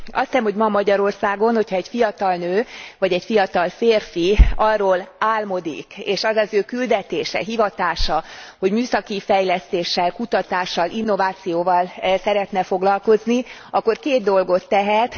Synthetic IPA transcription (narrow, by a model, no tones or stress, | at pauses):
ɒst̪ɛmho̞ɟmɒmɒɟɒɾo̞rsaːɡo̞nho̞cʰhɒɛɟfijɒt̪ɒlnøːvɒɟɛcfijɒt̪ɒlfeːrfiɒrːoːlaːlmo̞d̪ḭkḛːʃɒzɒzøːkyld̪ɛt̪eːʃɛ̰ɦivɒt̪aːʃɒho̞ɟmyːsɒkifɛjlɛst̪eːʃːɛlkut̪ɒt̪aːʃːɒlʔinːo̞vaːt̪sijoːvɒlsɛɾɛt̪nɛfo̞ɡlɒlko̞zniɒkːo̞rkeːd̪d̪o̞lɡo̞t̪ːɛɦɛt̪